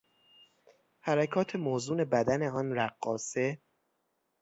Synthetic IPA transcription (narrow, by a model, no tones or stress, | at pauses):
hæɾækʰɒːt̪ʰe̞moːzuːne̞bæd̪æne̞ɒːnɾæɢːɒ̰ːse̞